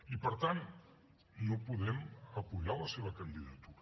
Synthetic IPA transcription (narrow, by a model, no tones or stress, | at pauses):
ipəɾt̪an | nopuðɛməpuʎaləseβ̞əkənd̪iðət̪uɾə